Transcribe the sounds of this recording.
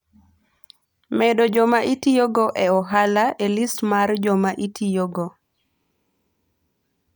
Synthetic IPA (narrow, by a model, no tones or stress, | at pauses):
mɛdod͡ʒomaʔitijoɡoʔɛɔɦalaʔelistmard͡ʒomaʔitʰijoɡo